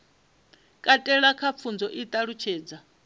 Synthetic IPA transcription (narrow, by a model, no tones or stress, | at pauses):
kʼatʼɛɺakʰap̪fʰund͡zɔʔit̪ʼaɺut͡ʃʰeːd͡za